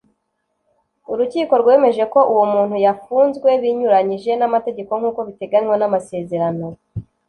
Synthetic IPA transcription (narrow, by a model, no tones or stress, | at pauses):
uɾuciːko̞ɾɡwe̞ːme̞ʒe̞ko̞ʔuwomuːnhujafuːnzɡwe̞βiɲuɾaɲiʒe̞namate̞ɟe̞ko̞ŋ̥uːko̞βite̞ɡaɲwenamase̞ːze̞ɾano̞